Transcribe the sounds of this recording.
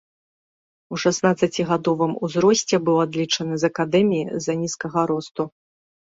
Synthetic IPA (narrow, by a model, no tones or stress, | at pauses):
uʂasnat̪sɐt͡sʲiɣad̪ɔvɨmuzɾɔsʲt͡sʲɛbɨwad̪lʲit͡ʂɐnɨzɐkad̪ɛmʲijizɐnʲiskɐɣɐɾɔst̪u